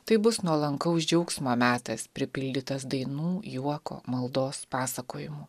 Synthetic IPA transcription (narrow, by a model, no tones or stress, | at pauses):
t̪ɐɪbʊsnuɔlˠɐŋkɐʊsd͡ʒʲɛʊksmoːmʲæːt̪ɐspʲɾʲɪpʲɪlʲd̪ʲɪt̪ɐsd̪ɐɪnuːjuɔko̰ːmɐlˠd̪oːspɑːsɐkoːjɪmuː